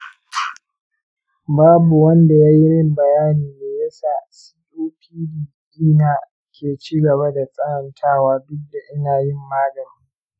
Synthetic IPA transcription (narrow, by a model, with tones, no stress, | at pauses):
baː˦bu˨wɐ˦nda˨jaː˦jɪ˦ɽɪ˦mbɐ˨jaː˦niː˨neː˨jɐ˦saː˦˨si̥˦ɗoː˦pʰiː˦di˨ɡdiː˦naː˨ | kʲʰeː˨t͡ʃiː˦ɡɐ˨ba˦da˨sʼɐ˦hɐ˨ntʰaː˦˨waː˦dʊ˦dːa˨ʔɪ˦naː˨jɪ˦mːaː˦ɡɐ˨r